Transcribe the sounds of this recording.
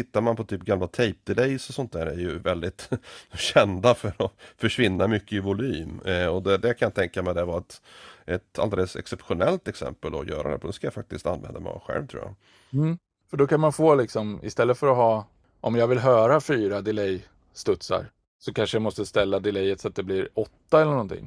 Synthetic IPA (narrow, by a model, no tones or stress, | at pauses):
t̪ʰɪt̪ːaɾmanpʰɔt̪ʰyːp̚ɡamlat̪ʰɛɪp̚d̪ɪlɛjsɔsɔnt̪̚d̪æːɾæ̰ɾjɵvɛld̪ɪt̪ɕɛnd̪afœɾɔfœʂvɪnːamʏkːəɪvʊlyːmɔd̪ɛd̪ɛjakʰanjant̪ʰɛŋkamɛd̪ɛvaɛt̪ʔɛt̪ald̪eləsɛ̰ksɛpɧʊnɛlt̪ɛksɛ̰mpəld̪ɔ̰jœ̰ːɾad̪ɛ̰pʰɔd̪ɛskajafak̚t̪ɪst̪a̰nːvɛ̰nd̪amɛ̰ɔ̰ɧɛ̰lvt̪ʰɾṵːja̰ | m̩ː | fœɖɔkʰanmanfoːlɪksɔmɪ̰st̪ɛlːət̪fœɾɔɦɑː | ʔɔmjɑːɡvɪlɦœːɾafyːɾad̪ɪlɛj | st̪ɵt̪sa̰ɾ | sɔkʰanʂəjamɔst̪əst̪ɛlːad̪ɪlɛjːət̪sɔat̪̚d̪ɛblɪɾɔt̪ːaɛlːəɳɔnt̪ʰɪ̰ŋː